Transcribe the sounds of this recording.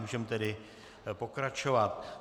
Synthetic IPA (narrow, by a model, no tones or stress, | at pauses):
bʒɛmt̪ɛɾɪ | pokɾat͡ʃoʋat̪̚